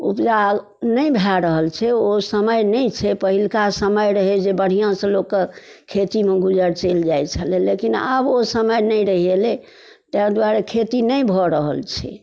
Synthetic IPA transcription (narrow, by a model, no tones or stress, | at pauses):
ṵpd͡ʒa | nəjbʱɛɾəɦəlt͡ʃʰɛosəməjnəjt͡ʃʰɛpəɦilkasəməjɾəɦed͡ʒebəɽ̤ijãsə̃lokːe | kʰet̪imeɡud͡ʒəɾt͡ʃeld͡ʒajt͡ʃʰəlelekinə̰bosəməjnəjɾəɦele | t̪ɛkd̪waɾekʰet̪inəjbʱɔɾəɦəlt͡ʃʰɛ̰